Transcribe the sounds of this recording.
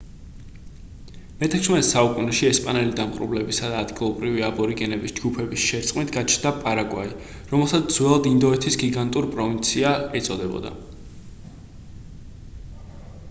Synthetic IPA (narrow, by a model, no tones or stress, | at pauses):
mɛt̪ʰɛkʰsmɛt̪ʰɛsaukʼunɛʃiɛspʼanɛlid̪amqʼɾṵvlɛbisad̪aːd̪ɡilˠɔbɾiviabɔɾiɡɛnɛbisd͡ʒɡupʰɛbisʃɛɾt̪sʼqʼmit̪ʰɡat͡ʃʰnd̪apʼaɾaɡwa̰i | ɾɔmɛlˠsat̪ʰz̥wɛlˠd̪ind̪ɔɛt̪ʰisɡiɡant̪ʼuɾpʼɾɔvint̪sʰiaɛt̪sʼɔd̪ɛbɔ̰d̪a̰